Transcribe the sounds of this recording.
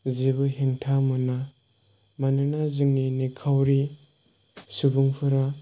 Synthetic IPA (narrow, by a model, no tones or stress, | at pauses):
zibɯɦeŋtʰamɯna | manɯnazɯŋninikʰawɾi | subuŋpʰɯɾa